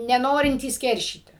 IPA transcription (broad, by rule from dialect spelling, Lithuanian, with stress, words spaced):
nʲɛˈnoːrʲɪnʲtʲiːs ˈkʲɛrʲʃʲiːtʲɪ